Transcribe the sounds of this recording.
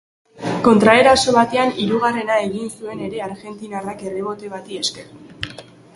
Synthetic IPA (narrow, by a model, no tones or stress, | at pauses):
ko̞nt̪ɾae̞ɾaso̞βat̪eaniɾuɣ̞are̞nae̞ɣinsue̞ne̞ɾe̞aɾɣe̞nt̪inarake̞riβ̞o̞t̪e̞βat̪ie̞ske̞ru